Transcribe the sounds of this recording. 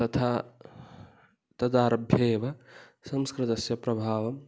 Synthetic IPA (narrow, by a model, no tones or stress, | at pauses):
t̪ɐt̪ʰa | t̪ɐd̪aːɾɐbʱjɐeʋa | sɐmskɾɨt̪ɐsjɐpɾɐbʱaːʋɐm